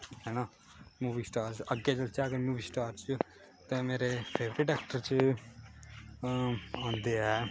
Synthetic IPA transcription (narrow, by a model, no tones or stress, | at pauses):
ɦɛːnaː | muːbiːsʈaːɾt͡ʃəɡeːd͡ʒəlt͡ʃaːəɡəɾmuːbiːsʈaːɾt͡ʃə | t̪ɛ̃ːmeːɾepʰeːʋɾɪɖɛːkʈəɾt͡ʃ | ãːnd̪eːɛː